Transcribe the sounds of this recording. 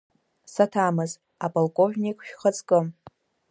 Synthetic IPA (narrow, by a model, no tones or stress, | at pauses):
satʰamɨz | apʼolkʼo̞vnʲikʼʃᶣχət͡sʼkʼɨm